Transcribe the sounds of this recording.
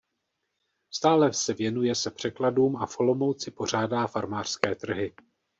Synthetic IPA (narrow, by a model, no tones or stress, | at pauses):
st̪aːlɛsɛvjɛnujɛsɛpr̥ɛkladuːmafo̞lo̞mowt͡sɪpo̞r̝aːdaːfaɾmaːr̥skɛːt̪r̩ɦɪ